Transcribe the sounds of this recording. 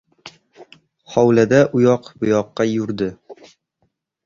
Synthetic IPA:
hɒwlad̪aʔʊjɒqbʊjɒqːɑjʊɾd̪ɪ

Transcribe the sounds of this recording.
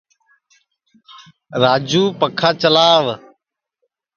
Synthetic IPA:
ɾaːd͡ʒuːpəkʰaːt͡ʃəlaːʋ

